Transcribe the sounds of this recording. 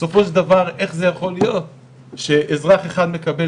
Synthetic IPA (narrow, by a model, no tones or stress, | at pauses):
so̞fo̞ʃeld̪avaʁʔe̞χze̞jaχo̞lijo̞t̚ | ʃe̞ʔːzʁaχeχad̪me̞kabe